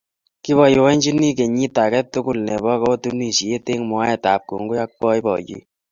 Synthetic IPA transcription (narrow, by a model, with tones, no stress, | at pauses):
ki˦βɔ˨jʊ˨wɛ˦nd͡ʒi˦ni˦ke˨ɲi˦ta˨kɛ˦tʊ˦kʊ˦˨lnɛ˨bɔ˦kɔ˦o˦tu˦ni˨si˨e˦te˦ŋm˨a˦ɛ˨ta˨p̚kṵ˨ŋɡo˦ja˦k̚wɔ˦i˦bɔ̰˨d͡ʒḭ˦